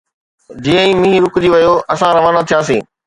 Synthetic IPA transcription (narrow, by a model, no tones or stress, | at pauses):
d͡ʑiːə̃ĩːmĩɦiɾʊkʊd͡ʑiʋɐjoʔɐsãɾɐʋaːnat̪ʰijãːs̬ĩː